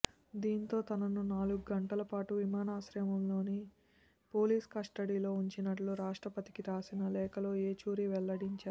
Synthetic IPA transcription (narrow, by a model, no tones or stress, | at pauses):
d̪iːnt̪o̞ːt̪ɐnɐnunaːluɡuɡɐɳʈɐlɐpaːʈuʋimaːnaːʃɾɐmɐmlo̞ːni | po̞ːliːskɐʂʈɐɽiːlo̞ːuɲt͡ʃinɐʈluɾaːʂʈɾɐpɐt̪ikiɾaːsinɐlɛːkɐlo̞ːeːt͡ʃuːɾiʋɛɭːɐɽiɲt͡ʃaːɾ